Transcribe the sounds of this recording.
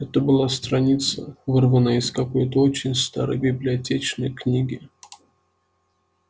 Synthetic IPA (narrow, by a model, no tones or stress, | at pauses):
ɛt̪əbɨlˠast̪ɾɐnʲit̪səvɨrvənəɪskɐko̞jt̪əot͡ɕɪnʲst̪a̰ɾə̰jbʲɪblʲɪɐtʲet͡ɕnəjknʲiɡʲɪ